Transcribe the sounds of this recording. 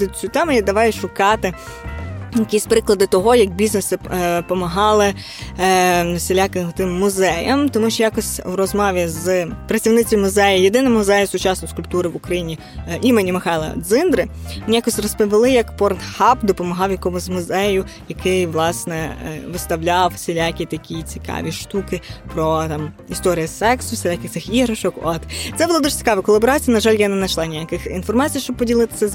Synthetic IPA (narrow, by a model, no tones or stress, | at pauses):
ɪt͡sʲut̪ɛmʊjad̪ɐʋɑjʊʃʊkɑt̪ɪ | jɐkʲisʲpɾɪklˠɐd̪ɪt̪ɔɦɔjɐk̚bʲiznesɪpɔmɐɦɑlˠɪ | selʲakɪɦt̪ɪmːʊzɛjɐmt̪ɔmuʃt͡ʃɔjakɔsʲrɔzmɔʋʲizpɾɐt͡sʲiwnɪt͡sʲʋʲimʊzɛjɐjed̪ɪnɐmʊzɛjɐsʊt͡ʃɑsnɔskʊlʲp̚t̪uɾɪʋʊkɾɐjinʲi | imenʲimɪxɑjlˠɐ̰d̪zɪnd̪ɾɪnʲijakɔsʲrɔspɔʋʲɪlˠɪjɐkpɔrnhɑpd̪ɔpɔmɐɦɑwjɐkɔmʊzʲmʊzɛjʊ | jɐkɪjʋlˠɑsnɛʋɪst̪ɐwlʲɑwsʲelʲakʲit̪ɐkʲit͡sʲi̥kɑ̰ʋʲiʃt̪ukɪpɾɔt̪ɑm | ist̪ɔɾʲijɐsɛksʊsʲelʲakʲɪxt̪sɪxiɦɾɐʃɔkɔt̪t̪sɛbʊlˠad̪uʒ̥t͡sʲkɑʋɐkɔlˠɐbɔɾɑt͡sʲijɐnɐʒɑlʲjanɛnɐʃlˠɑnʲijakɪxinfɔrmɑt͡sʲijʃt͡ʃɔb̚pɔdʲilˠɪt̪ɪ̥sʲɛz